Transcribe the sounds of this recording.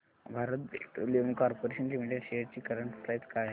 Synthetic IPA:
bʱaɾət̪̚beʈo̰liʋəŋɡkɔɾpoɾeɕənlimiʈeɖɕejəɽt͡ɕiːkəɾəɳʈflajt͡skaje

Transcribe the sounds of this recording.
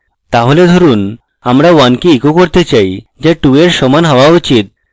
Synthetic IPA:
t̪aɦoled̪ʱoɾun | amɾawankiikokoɾt̪et͡ɕajd͡ʑaʈueɾʃɔmanɦaoaut͡ɕit̪̚

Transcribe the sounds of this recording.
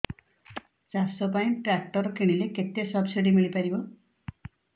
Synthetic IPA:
t͡ʃasɔpaĩʈɾak̚ʈɔɾɔkiɽ̃ileket̪esʌbsiɖimiɭipaɾibɔ

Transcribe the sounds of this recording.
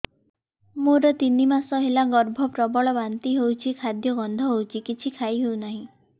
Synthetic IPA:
moɾɔt̪inimasɔɦelaɡɔɾbʱɔpɾɔbɔɭɔbant̪iɦewt͡ʃʰikʰad̪jɔɡɔnd̪ʱɔɦowt͡ʃʰikit͡ʃʰikʰajɦewnaɦĩ

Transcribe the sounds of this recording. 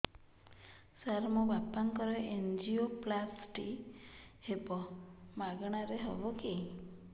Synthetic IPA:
saɾmɔbapaŋkɔɾeʔend͡ʒioplasʈi | hebɔmaɡɔɽ̃aɾeɦɔ̰bɔki

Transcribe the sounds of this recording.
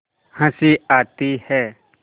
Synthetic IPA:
hə̃siaːt̪iːhɛː

